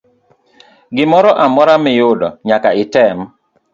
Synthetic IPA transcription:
ɡɪmɔɾɔʔamɔɾamɪjʊdɔ̰ɲakaɪtɛm

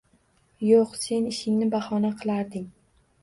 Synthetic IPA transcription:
joqse̞nɪʃɪŋnɪbahɒnaqʰɨlˠaɾd̪ɪŋ

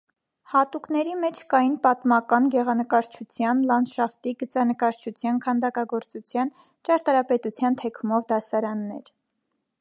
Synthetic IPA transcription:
hɑt̪uknɛɾimɛt͡ʃʰkɑjinpɑt̪mɑkɑnɡɛʁɑnəkɑɾt͡ʃʰut͡sʰjɑnlɑnʃɑft̪iɡət͡sɑnəkɑɾt͡ʃʰut͡sʰjɑnkʰɑnd̪ɑkɑɡɔɾt͡sut͡sʰjɑn | t͡ʃɑɾt̪ɑɾɑpɛt̪ut͡sʰjɑnt̪ʰɛkʰumɔvd̪ɑsɑɾɑnːɛɾ

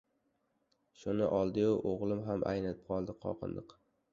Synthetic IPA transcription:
ʃʊnɪ̰ʔɒlˠd̪ɪjʊʔoʁlˠɪmɦamʔa̰jnat̪ɪp̚qʰɒlˠd̪ɪqʰɒ̰qʰɨ̰nd̪ɪq

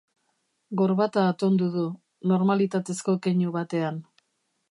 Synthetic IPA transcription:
ɡo̞ɾβat̪aːt̪o̞nd̪uðu | no̞ɾmalit̪at̪e̞sko̞keɲuβat̪e̞an

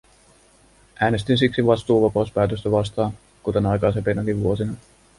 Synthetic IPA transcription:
ʔæːne̞st̪insiksiʋɑst̪uːʋɑpɑuspæːt̪øst̪æʋɑst̪ɑːn | kut̪enɑjkɑjsempenɑkiʋʋuosinɑ

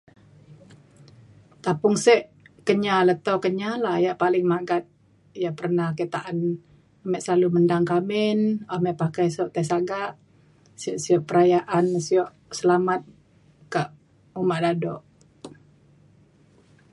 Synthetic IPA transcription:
t̪apʊŋsɛʔ | kəɲalət̪okəɲalajaʔpalɪŋmaɡat̪̚ | jaʔpərnahkət̪aʔan | amɛʔsəlaluməndaŋkamɪnamɛʔpakajsɔʔt̪ɛsaɡaʔ | sɛʔsiɔʔpəɾajaʔansiɔʔ | səlamat̪̚ | kaʔ | umaʔdadɔ̰ʔ

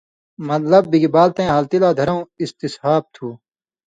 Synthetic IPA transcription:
mɐt̪lɐbːiɡibaːlt̪ẽːɦaːlt̪ilaːd̪ʱɐɾɐ̃ũist̪ishaːb̚t̪ʰuː

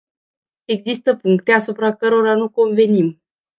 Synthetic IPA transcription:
e̞ɡzist̪əpuŋkt̪e̞asupɾakəɾo̞ɾanuko̞nve̞nim

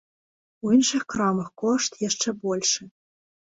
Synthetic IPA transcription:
uinʂɨxkrɑmɤxkoʂt̪jaʂt͡ʂɛbolʲʂɘ

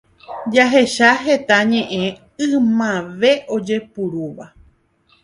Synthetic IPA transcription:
d͡ʒaɦe̞ʃaɦe̞t̪aɲẽ̞ʔẽ̞ | ɨ̃mãʋe̞ʔo̞d͡ʒe̞puɾuʋa

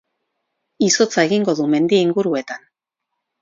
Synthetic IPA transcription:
iso̞t͡sae̞ɣiŋɡo̞ðume̞nd̪iiŋɡuɾue̞t̪an

